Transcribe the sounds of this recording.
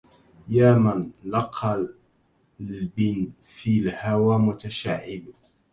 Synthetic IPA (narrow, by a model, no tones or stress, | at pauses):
jaːmanlɑqʰːɑ | lbɪn | filhawamʊt̪aʃaʕɪl